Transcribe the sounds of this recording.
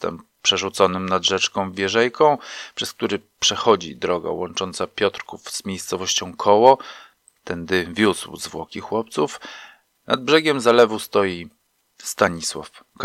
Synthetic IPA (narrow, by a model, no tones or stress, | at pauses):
t̪ɛ̰m | pʂɛʐut̪sɔnɘmnad̪ʐɛt͡ʂkɔ̃w̃vʲjɛʐɛjkɔ̃w̃pʂɛsk̚t̪uɾɘpʂɛxɔd͡ʑḭd̪ɾɔɡa̰wɔnt͡ʂɔnt̪sapʲjɔt̪ɾkufz̥mʲjejst̪sɔvɔɕt͡ɕɔ̃w̃kʰɔwɔ | t̪ɛnd̪ɘvʲjuswzvwɔkʲixwɔp̚t̪suf | nad̪̚bʐɛɡʲɛmzalɛvust̪ɔji | st̪aɲiswa̰fk